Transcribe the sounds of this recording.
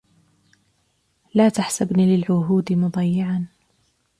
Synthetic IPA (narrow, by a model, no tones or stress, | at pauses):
laːt̪aħsabnilɪlʕʊɦuːd̪ɪmʊd̪ˤɑjːɪʕan